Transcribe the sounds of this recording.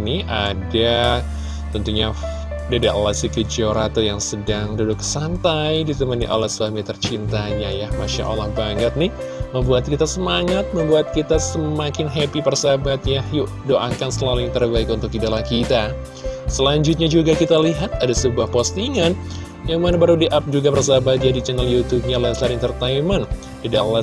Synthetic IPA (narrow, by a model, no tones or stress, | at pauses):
nia̰da | t̪ənt̪uɲa | dadaʔlasikəd͡ʒioɾat̪ojaŋsədaŋdudʊksant̪ajdit̪əmənḭʔa̰lasuamit̪ərt͡ʃint̪aɲajamaʃa̰ʔa̰lahbaŋət̪̚nɪh | məmbuat̪̚kit̪asəmaŋat̪̚məmbuat̪̚kit̪asəmakɪnɦepipərsabat̪jahju | doʔakansəlalɪt̪ərbaɪkunt̪ʊkidalahkit̪a | səlaɲd͡ʒʊt̪̚ɲad͡ʒuɡakit̪aliɦat̪̚adasəbuahpɔst̪iŋan | jaŋmanabəɾudiʔap̚d͡ʒuɡapərs̬abat̪̚d͡ʒadit͡ʃɛnaljut̪ub̚ɲalansəlaɾɪŋt̪ərt̪aiman | idala